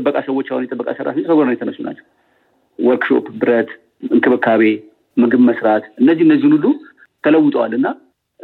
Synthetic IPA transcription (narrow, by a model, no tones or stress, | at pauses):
əbːəkʼasəwot͡ʃːawunjɛt̪ʼəbːəkʼasəɾʔa̰fisəɡoɾnənjɛt̪ʰəməsːuna̰t͡ʃːɛw | wɔlkʃo̞̰pbɨɾət̪ | ɨŋkʰɨβɨkʰːaβe̞ | mɨɡɨβməsɾat̪ʔɨnːəzːihɨndəzːihnulːu | t̪ʰələwːʊt̪ʼəwalːɨnːa